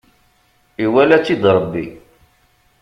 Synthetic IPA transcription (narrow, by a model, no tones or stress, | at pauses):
iwælæt͡sːid̪ɾˤəbːḭ